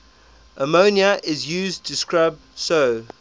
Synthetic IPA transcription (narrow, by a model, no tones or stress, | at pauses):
ʔəmoʊniəʔɪzjʉːztʰɪskɹaɪb̚soʊ